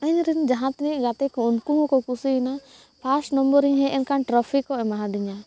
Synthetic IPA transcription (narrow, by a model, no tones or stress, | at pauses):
aɲɾind͡ʒaɦãt̪niɡat̪ɛkɔunkuɦɔ̃kɔkusina | pʰasʈnɔmbəɾiɲɦɛʔɛnkanʈɾɔpʰikɔɛmaɦãd̪iɲa